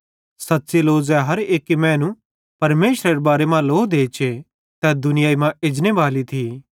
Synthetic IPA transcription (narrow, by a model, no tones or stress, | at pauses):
sɐt̪seloːzɛɦɐɾeːkimɛ̃ːnũ | pɐɾmeːʃɾeɾebaːɾemãloːd̪eːt͡ʃʰe | t̪ɛd̪ʊnɪjaːimãɪd͡ʒneʋaːlit̪ʰiː